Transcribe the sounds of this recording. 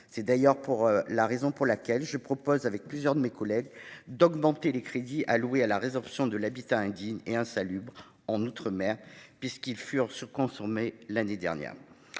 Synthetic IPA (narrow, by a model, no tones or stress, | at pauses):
sɛd̪ajœʁpuʁlaʁezɔ̃puʁlakʲɛlʒəpχɔpɔzavɛk̚plyzjœʁd̪əmekɔlɛɡd̪ɔɡmɑ̃t̪elekχed̪iʔaluwealaʁezɔʁpsjɔ̃d̪əlabit̪aɛ̃d̪iɲeɛ̃salybʁ | ɑ̃nut̪χəmɛʁpɥiskilfyʁsyʁkɔ̃sɔʁmelaned̪ɛ̰ʁnjɛ̰ːʁ